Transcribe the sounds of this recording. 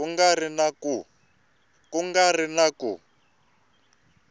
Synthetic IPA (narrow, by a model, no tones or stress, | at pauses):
uŋɡarinaku | kuŋɡarinaku